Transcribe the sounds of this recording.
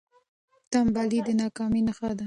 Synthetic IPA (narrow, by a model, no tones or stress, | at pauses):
t̪ambalid̪ənɑkɑminaxad̪a